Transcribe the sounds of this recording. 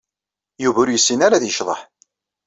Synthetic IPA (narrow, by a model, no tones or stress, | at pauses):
juvuɾjəsːinaɾaðjəʃðˤə̰ħ